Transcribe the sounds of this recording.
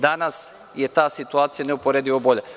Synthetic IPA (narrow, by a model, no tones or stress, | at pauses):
d̪anas | jet̪aːsit̪uaːt̪sijaneupoɾeːd̪iʋoboʎe